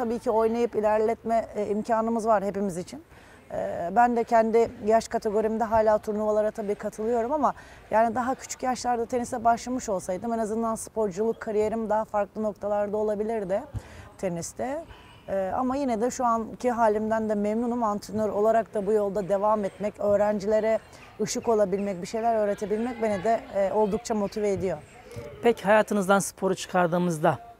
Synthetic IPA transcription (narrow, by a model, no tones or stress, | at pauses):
abiːcʰio̞jnajɯpilʲæɾlʲɛt̪mɛimcʰaːnɯmɯzvaɾhe̞pimizit͡ʃʰin | ɛbænd̪ɛcʰɛnd̪ɪjaʃkʰat̪ʰe̞ɡo̞ɾimid̪ɛɦaːlʲaːt̪ʰuɾnuvalˠaɾat̪ʰabiːkʰat̪ʰɯlˠɯjo̞ɾumama | jaːnid̪aɦacʰy̥t͡ʃʰy̥cjaʃlˠaɾd̪at̪ʰe̞nisɛbaʃlˠamɯʃo̞lˠsajd̪ɯmenazɯnd̪anspʰo̞ɾd͡ʒulˠukʰːaɾije̞ɾimd̪aɦafaɾklˠɯno̞k̚t̪ʰalˠaɾd̪ao̞lˠabilʲiɾd̪ɪt̪ʰe̞nist̪ʰɛː | a̰majinɛd̪ɛʃuancʰiɦaːlʲimd̪ænd̪ɛmɛmnunumant̪ʰɯnoɾo̞lˠaɾak̚t̪abujo̞lˠd̪ad̪e̞vamɛt̪mɛcø̞ːɾænd͡ʒilʲe̞ɾɛ | ɯʃɯko̞lˠabilʲmɛc̚biʃe̞jlʲæɾø̞ːɾe̞t̪ʰebilʲmɛc̚benɛd̪ɛʔo̞lˠd̪uk̚t͡ʃʰamo̞t̪ʰiveːd̪ijo̞ | pʰɛchajaːt̪ʰɯnɯzd̪ansɯ̥pʰo̞ɾut͡ʃʰɯ̥kʰaɾd̪ɯːmɯzd̪a